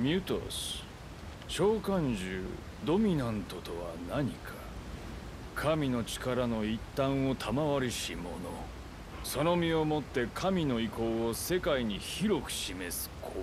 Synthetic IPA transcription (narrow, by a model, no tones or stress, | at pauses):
mʲjɯt̪o̰sɨ̥ | ɕo̞ːkãɲd͡ʑɨ̰ː | d̪o̞mʲinãnt̪o̞t̪o̞βa̰naɲ̟ikʰḁ | kʰamʲino̞t͡ɕi̥kaɾano̞it̪ːãɰ̃o̞t̪ʰamaβaɾʲiɕimo̞̰no̞̰ | so̞no̞mʲio̞mo̞t̪ːe̞kʰamʲino̞iko̞ːse̞kaiɲ̟içiɾo̞kɯ̟̥ɕime̞sɨ̥kʰo